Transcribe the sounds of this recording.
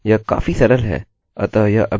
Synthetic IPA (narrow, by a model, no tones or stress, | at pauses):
jaka̰ːfisɐɾəlɦɛ̰ː | ɐt̪ajaʔɐb